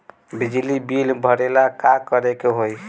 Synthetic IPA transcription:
bid͡ʒlibilbʱəɾelakakəɾekeɦoj

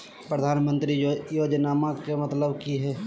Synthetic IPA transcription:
pɾəd̪ʱaːnmə̃nt̪ɾijoːd͡ʒnaːmakemɐt̪ləbkiɦɛː

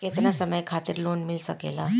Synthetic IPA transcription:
ket̪nasəməjkʰat̪iːɾlonmilsəkḛla

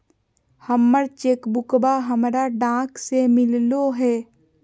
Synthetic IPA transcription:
həmːəɾt͡ʃeːkbʊkbaɦəmɾaɖãːksemɪlloɦɛː

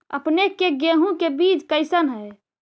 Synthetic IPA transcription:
ə̰pnekeɡeɦũkebiːt͡ʃkəɪsənɦə

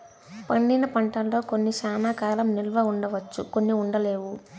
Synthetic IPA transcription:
pɐɳɖinɐpɐɳʈɐnlo̞ːkonːiʃaːnaːkaːlɐmnilʋɐuɳɖɐʋɐt͡ʃːukonːiuɳɖɐleːʋu

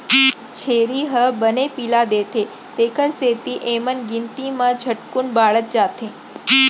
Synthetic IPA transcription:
t͡ʃʰeːɾiɦəbənepiːlad̪eːt̪ʰe | t̪eːkəɾseːt̪iʔeːmənɡɪnt̪imãd͡ʒʱəʈkʊɳbaːɭət̪̚d͡ʒaːt̪ʰẽː

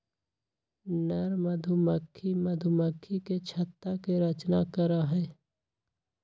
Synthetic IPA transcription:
nɛɾməd̪ʱuməkʰːiməd̪ʱuməkʰːiket͡ʃʰət̪ːakeɾət͡ʃnakəɾaɦɛː

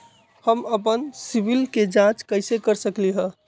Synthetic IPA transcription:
həməpənsibilked͡ʒãt͡ʃkəɪsekəɾsəkliɦə̃

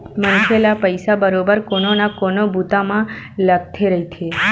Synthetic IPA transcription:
mənʃelapəjsabəɾobəɾkononakonobʱut̪amãləɡt̪ʰeɾəɦit͡ʃ̪ʰe

